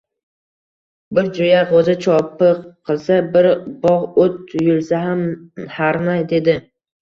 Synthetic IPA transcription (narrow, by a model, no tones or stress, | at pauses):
bɪɾd͡ʒojaʁozɪt͡ʃʰɒpɨqqʰːɨlˠsabɪɾbɒʁot̪jʊlˠsaɦamhaɾnajd̪e̞d̪ɪ